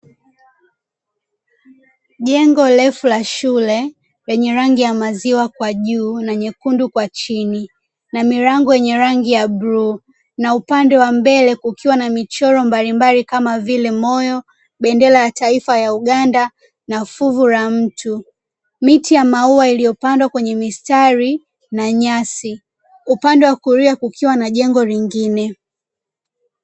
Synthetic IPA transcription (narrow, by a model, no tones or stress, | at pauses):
ʄɛŋɡɔlɛfulaʃulɛ | ɾɛɲɛɾaŋɡijamaziwakwaʄuːnaɲɛkundukwat͡ʃini | namiɾaŋɡɔjɛɲɛɾaŋɡijabɾu | naupandɛwambɛlɛkukiwanamit͡ʃɔɾɔmbalimbalikamavilɛmɔjɔ | ɓɛndɛlajataifajauɠanda | nafuvuɾam̩tʰu | mitijamauailijɔpandwakwɛɲɛmistaɾi | naɲasi | upandɛwakuɾiakukʰiwanaʄɛŋɡɔliŋɡinɛ